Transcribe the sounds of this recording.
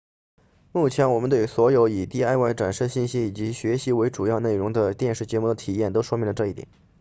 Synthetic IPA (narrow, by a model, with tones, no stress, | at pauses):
mu˥˩t͡ɕʰjɛ˧˥nwɔ˨˩mə˦nt̪we˥˩ɪswɔ˧˥jo˧˥ʊi˨˩t̪i˥˧a˥˧ɪwa˥˩ɪʈ͡ʂa˨˩nʂɤ˥˧ɕi˥˩nɕi˥i˨˩t͡ɕi˧˥ɕɥɛ˧˥ɕi˧˥we˧˥ɪʈ͡ʂu˨˩jɑ˥˧ʊne˥˩ɪɻʊ˧˥ŋd̪ə˧t̪jɛ˥˧nʂɻ̩˥˩t͡ɕjɛ˧˥mu˥˩d̪ə˧˩t̪ʰi˨˩jɛ˥˩nt̪o˥ʊʂwɔ˥mi˧˥ŋlə˧ʈ͡ʂɤ˥˧i˥˩t̪jɛ̰˨˩˦n